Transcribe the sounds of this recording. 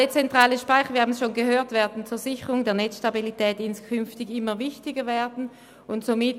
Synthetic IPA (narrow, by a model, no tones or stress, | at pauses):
et͡sɛntʁ̥aːləʃpaɪxəviːhaːmn̩sʃoːnɡəhøːɐtv̥ɛːɐdn̩t͡suːɐzɪçəʁʊŋdɛːɐnɛt͡sʃtabilitʰɛːtɪnskʰʏnftɪɡɪmɐvɪçtɪɡəvɛːɐdn̩ | ʊntsomɪt